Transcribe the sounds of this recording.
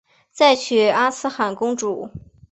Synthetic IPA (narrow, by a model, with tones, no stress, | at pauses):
t͡sa˥˩ɪt͡ɕʰy˨˩a˥sɹ̩˥xa˨˩nkʊ˥ŋʈ͡ʂu˨˩˦